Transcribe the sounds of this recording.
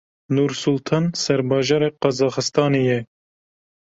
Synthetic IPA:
nuɾsult̪ʰɑːnsɛɾbɑːʒɑːɾɛqɑzɑːxɨst̪ɑːnejɛ

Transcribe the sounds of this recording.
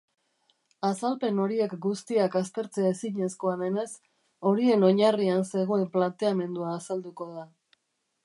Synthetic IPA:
asalpe̞no̞ɾie̞kɡust̪iakast̪e̞ɾt͡se̞aesiɲe̞sko̞ame̞ne̞s | o̞ɾie̞no̞ɲarianse̞ɣ̞oe̞mplant̪e̞ame̞nd̪uaːsald̪uko̞ða

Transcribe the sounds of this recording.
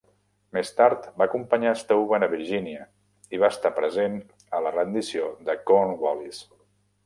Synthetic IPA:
mest̪aɾt̪baəkumpəɲaəst̪əuβənəβiɾʒiniə | iβ̞aəst̪apɾəzen | ələrənd̪isioðəkonwɔlis

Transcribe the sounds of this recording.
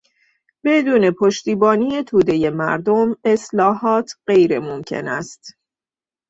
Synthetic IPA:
b̥e̞d̪uːne̞pʰoʃt̪iːbɒːniːje̞t̪ʰuːd̪e̞je̞mæ̰ɾd̪ome̞slɒːɦɒːt̪ʰɢe̞jɾemomcʰe̞̰næst̪

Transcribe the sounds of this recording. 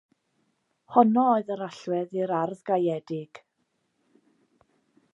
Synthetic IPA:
hɔnɔoɨðəɾaɬwɛðiɾarðɡajɛdɪɡ̥

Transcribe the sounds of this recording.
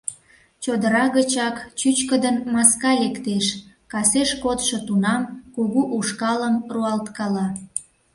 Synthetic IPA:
t͡ɕod̪əɾɑɣət͡ɕɑkt͡ɕyt͡ɕkəd̪ənmɑskɑlekt̪eʃ | kɑseʃkot̪ʃot̪unɑmkuɣuʔuʃkɑləmruɑlt̪kɑlɑ

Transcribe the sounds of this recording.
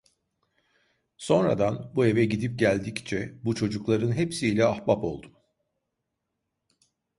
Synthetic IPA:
so̞nɾa̰d̪anbue̞vɛɟid̪ip̚ɟælʲd̪ict͡ʃʰɛbut͡ʃʰo̞d͡ʒuklˠaɾɯnɦepsiːlʲɛahbapo̞̰lˠd̪um

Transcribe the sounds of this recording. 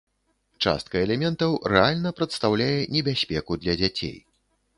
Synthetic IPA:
t͡ʂa̰st̪kɐɛlʲɛmʲɛnt̪ɐwrɛalʲnɐpɾɐt̪st̪awlʲajɛnʲɛbʲasʲpʲɛkud̪lʲɐd͡zʲat͡sʲḛj

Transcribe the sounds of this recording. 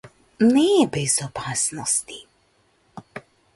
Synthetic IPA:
nɛbɛzopasnost̪i̥

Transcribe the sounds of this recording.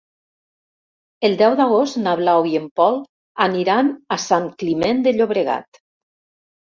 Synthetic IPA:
elˠd̪ɛwd̪aɣ̞ost̪naβlawiempɔl | aniɾanasaŋklimend̪eʎoβɾeɣa̰t̪

